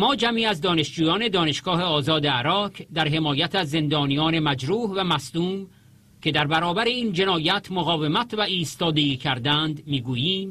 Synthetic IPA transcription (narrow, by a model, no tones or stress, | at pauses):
mɒːd͡ʒæmiːæzd̪ɒːne̞ʃd͡ʒuːjɒːne̞d̪ɒːne̞ʃɡ̥ɒːhe̞ɒːzɒːd̪eæɾɒːkʰd̪æɾɦe̞mɒːjæt̪ʰæzːe̞nd̪ɒːnijɒːne̞mæd͡ʒɾuːhvæmæsd̪uːm | cʰʲe̞d̪æɾbæɾɒːbæɾeiːnd͡ʒe̞nɒːjæt̪ʰmoɣɒːvemæt̪ʰvæʔiːst̪ɒːd̪e̞iːcʰæɾd̪ænd̪miːɡuːjiːm